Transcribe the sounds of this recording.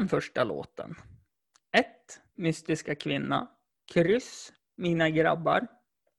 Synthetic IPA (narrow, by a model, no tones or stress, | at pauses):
nfœʂʈalo̰ːt̪ə̰n | ɛt̪ | mʏst̪ɪskakʰvɪnːa̰ | kʰɾʏs | miːnaɡɾa̰bːa̰ɾ